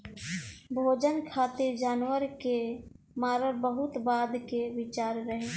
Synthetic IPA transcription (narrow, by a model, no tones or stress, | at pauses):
bʱoːd͡ʒənkʰaːt̪eɾd͡ʒaːnwəɾke | maːɾəɾbəɦʊt̪baːd̪keʋɪt͡ʃaːɾɾəɦeː